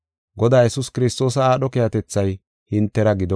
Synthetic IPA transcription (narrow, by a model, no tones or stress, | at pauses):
ɡɔd̪aːjɛsʊskɪɾɪst̪o̞ːs̬ɐaːɗɔkɛjɐt̪ɛt͡sːɐj | hɪnt̪ːɛɾɐɡɪd̪ɔ